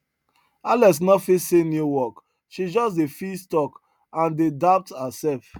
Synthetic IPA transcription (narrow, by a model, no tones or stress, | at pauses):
alɛs̬nɔfisenjuwɔk | ʃid͡ʒɔsdefistɔk | ãndedap̚thasɛlf